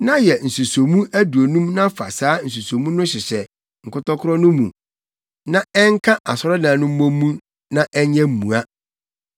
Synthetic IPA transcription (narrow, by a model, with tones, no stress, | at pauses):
nã˦jɛ˨n̩˨su˨so˨mũ˦æ˦du˨o˨nũ˦mnã˦fa̰˨saː˨˦n̩˨s̬u˨so˨mũ˦nʊ̃˦ɕɪ˨sɛ˨ | ŋ̩˨kʊ˦tʰɔ˦kʰʊ˦ɾɔ˦nʊ̃˦mṵ̃˨ | nã˦ɛ˦ŋ˦kʰa˦ʔa˨sɔ˦ɾɔ˦nãː˨nʊ̃˦m̩˦mõː˦ũ˦ | nã˦ʔɛ˦ɲɛ̃˦m̩˨mṵ̃˨a˦